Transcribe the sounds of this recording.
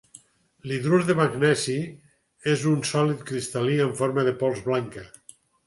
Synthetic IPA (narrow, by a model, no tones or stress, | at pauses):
liðɾuzðeβaɡnɛzi | ezunsɔlit̪̚kɾist̪aliəɱfoɾmaðepɔlˠzβlaŋkə